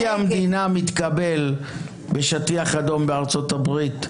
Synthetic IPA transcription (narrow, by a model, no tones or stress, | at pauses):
amd̪inamit̪kabe̞l | be̞ʃatiaχad̪o̞mbeaʁt͡so̞tabʁit̪